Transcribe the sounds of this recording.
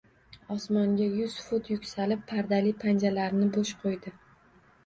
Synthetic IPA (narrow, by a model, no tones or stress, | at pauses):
ɒsmɒŋɡʲajʊz̥fʊt̪jʊkʲsalɪpːʰaɾd̪alipʰand͡ʒalaɾnɪboʃqʰojd̪ɪ